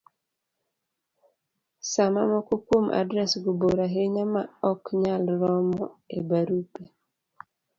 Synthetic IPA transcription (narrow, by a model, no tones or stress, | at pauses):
sama̰mɔkokomʔa̰dɾɛsɡuboɾaɦeɲamaɔkɲalɾɔmɔebaɾupe